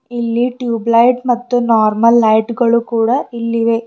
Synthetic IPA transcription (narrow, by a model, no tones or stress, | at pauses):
ilːiʈjuːblɐjʈmɐt̪ːunaːɾmɐlːɐjʈɡɐɭukuːɽɐilːiʋe̞